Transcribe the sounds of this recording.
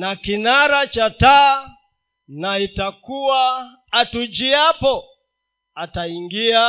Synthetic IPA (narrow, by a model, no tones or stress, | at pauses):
nakinaɾat͡ʃata | naitakuwaː | tud͡ʒiapɔ | ataiŋɡia